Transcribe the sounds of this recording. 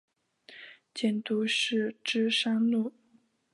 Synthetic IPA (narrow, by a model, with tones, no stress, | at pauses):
t͡ɕjɛ˨˩nt̪u˧˥ʂɻ̩˥˩ʈ͡ʂɻ̩˥ʂɑ˥ŋlu˥˩